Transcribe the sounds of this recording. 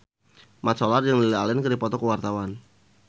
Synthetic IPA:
mat̪sɔlarjaŋlilialɪnkədipɔt̪ɔkəwart̪awan

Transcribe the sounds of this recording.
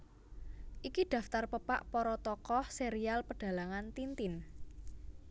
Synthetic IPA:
ʔikiɖ̥a̤ft̪arpəpaʔpɔɾɔt̪ɔkɔhseɾialpəɖ̥a̤laŋant̪int̪ɪn

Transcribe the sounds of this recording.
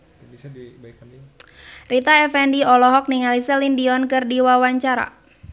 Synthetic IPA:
rit̪aɛfɛndiɔlɔɦɔk̚niŋalisɛlindiɔnkɨrdiwawaɲt͡ʃaɾa̰

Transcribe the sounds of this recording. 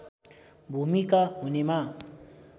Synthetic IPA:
bʱumikaɦunemã

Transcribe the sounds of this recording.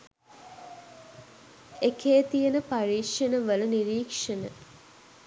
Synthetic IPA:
ekʰeːt̪ijenəpaɾiːʂenəʋələniɾiːkʂenə

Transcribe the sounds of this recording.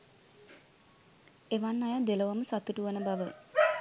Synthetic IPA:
eʋanːajad̪eləʋaməsat̪ːuʈuʋənəbaʋə

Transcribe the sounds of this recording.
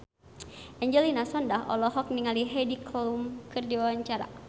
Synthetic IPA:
ʔɛɲd͡ʒɛlinasɔndaɦɔ̰lɔɦɔk̚niŋaliɦɛdikɔlumkɨrdiwawaɲt͡ʃaɾa̰

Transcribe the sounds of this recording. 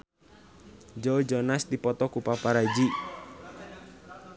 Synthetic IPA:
d͡ʒowd͡ʒɔnasd̪ipɔt̪ɔkupapaɾad͡ʒi

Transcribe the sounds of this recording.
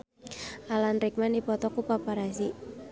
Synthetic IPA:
alanrik̚manipɔt̪ɔkupapaɾasi

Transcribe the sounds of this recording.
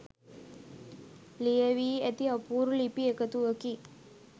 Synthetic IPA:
lijəʋiːet̪iəpuːɾulipiekət̪uəki

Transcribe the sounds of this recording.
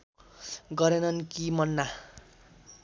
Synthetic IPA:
ɡʌɾenʌnkimʌnːa

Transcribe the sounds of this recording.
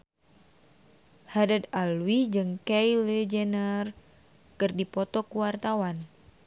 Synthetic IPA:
hadad̪alwid͡ʒɨŋkɛjled͡ʒənər | kɨrdipɔt̪ɔkuwart̪awan

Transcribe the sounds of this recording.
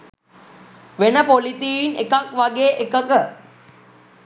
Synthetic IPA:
ʋenəpolit̪iinekakʋaɡeːʔekəkə

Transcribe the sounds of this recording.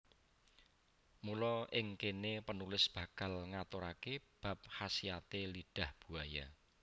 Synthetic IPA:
mulɔɪŋkenepənulɪsb̥ä̤kalŋat̪ʊɾakeb̥ä̤p̚hasiat̪eliɖ̥a̤hb̥ṳaja

